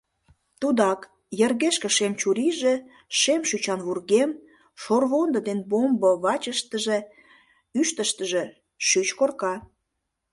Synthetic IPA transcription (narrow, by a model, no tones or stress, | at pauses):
t̪ud̪ɑk | jərɣeʃkə̆ʃemt͡ɕuɾiʒĕ | ʃemʃyt͡ɕɑnβurɣem | ʃorβond̪əd̪enbomboβɑt͡ɕəʃt̪əʒĕ | yʃt̪əʃt̪əʒe | ʃyt͡ɕkorkɑ